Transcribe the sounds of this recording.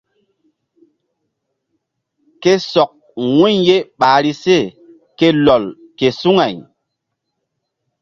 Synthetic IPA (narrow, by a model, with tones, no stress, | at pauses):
ke˦sɔ˨k̚ | wu˦ɲje˦ɓaː˨ɾi˦se˦˨ | ke˦lɔ˨l | ke˨su˦ŋa˨j